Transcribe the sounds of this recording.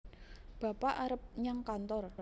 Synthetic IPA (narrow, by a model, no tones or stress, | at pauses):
b̥a̤paʔaɾəp̚ɲaŋkant̪ɔr